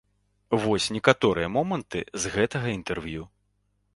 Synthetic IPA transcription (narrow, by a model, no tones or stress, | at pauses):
vɔsʲnʲɛkat̪ɔɾɨjɐmɔmɐnt̪ɨ̰zɣɛt̪ɐɣɐint̪ɛrvju